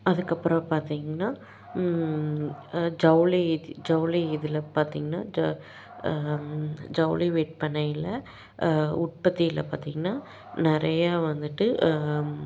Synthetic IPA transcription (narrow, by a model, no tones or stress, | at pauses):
ɐðɯkːɐpːɯɾɐ̃paːɾt̪iːŋɡɐnːaː | d͡ʒɐʊlid͡ʒɐʊliɪðɪlɐpaːɾt̪iːŋɡɐnːa̰ː | d͡ʒɐʊliʋeːʈ̚pɐɳːɐjɪlɐ | ʊʈ̚pɐt̪ːijɪlɐ̰paːɾt̪iːŋɡɐnːaː | nɪɾɐjaʋɐnd̪ɯʈːɯ